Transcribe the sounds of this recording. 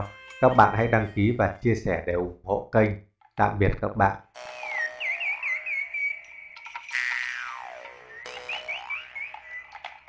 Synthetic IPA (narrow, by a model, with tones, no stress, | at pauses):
kaː˦˥k̚ɓa̰ː˧˨nha̰˧˥jɗa˧ŋki˨˦vaː˨˩t͡ɕi˧əsɛ˧˩ɗe˧˩ʔʊ˧˨˩ŋ͡mho̰˧˨kə˧jŋ̟ | t̪a̰ː˧˨ŋɓi˨˩ət̚kaː˦˥k̚ɓa̰ː˧˨nʔ